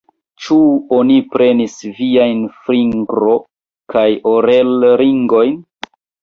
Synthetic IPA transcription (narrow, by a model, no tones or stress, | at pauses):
t͡ʃuonipɾe̞nisviajnfɾiŋɡɾo̞ | kajoɾelɾiŋɡo̞jn